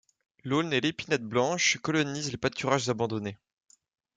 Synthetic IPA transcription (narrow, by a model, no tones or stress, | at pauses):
lonelepinɛt̪̚blɑ̃ʃkɔlɔnizlepat̪ʰyʁaʒzabɑ̃d̪ɔne